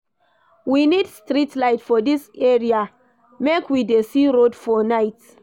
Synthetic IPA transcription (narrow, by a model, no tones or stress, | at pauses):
winidstɹitlaɪtfɔdisɛɹia | mekwidesiɹodfɔnaɪt